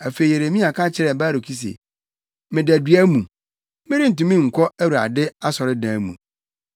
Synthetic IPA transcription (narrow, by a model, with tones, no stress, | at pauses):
a˨fe˨i˨e˨ɾe˨mĩ˦a˨kʰã˦t͡ɕʰɪ˦ɾɛ˨baː˦ɾo˨kʰi˦s̬ḛ˨ | mɪ̃˨dæ˨dɥæ˦mũ˨ | mɪ̃˦ɾi˦n̩˨tũ˨mĩ˦ŋ̩˨kʰɔ˦æ˦wu˨ɾa̰˨dɪ˦a˦sɔ˨ɾɪ˦dãː˨˦mṵ̃˨